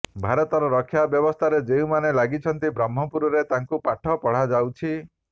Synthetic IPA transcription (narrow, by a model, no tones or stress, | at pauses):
bʱaɾɔt̪ɔɾɔɾɔkʰːjabjɔbɔst̪ʰaɾed͡ʒew̃manelaɡit͡ʃʰɔnt̪ibɾamːɔpuɾɔɾet̪aŋkupaʈʰɔpɔɽ̤ad͡ʒawt͡ʃʰi